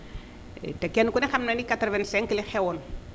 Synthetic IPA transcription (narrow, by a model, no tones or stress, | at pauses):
ḛtekenkunexamnanikatɾvenseŋkilexewɔn